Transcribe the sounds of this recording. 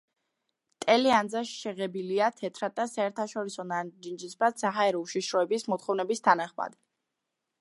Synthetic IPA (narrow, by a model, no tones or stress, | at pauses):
t̪ʼɛliand̪zaʃʃɛʁɛbiliat̪ʰɛt̪ʰɾad̪asaɛɾt̪ʰaʃɔɾisɔnad͡ʒind͡ʒisbasaɦaɛɾɔuʃiʃɾɔɛbismɔt̪χɔvnɛbist̪ʰanaχma̰d̪i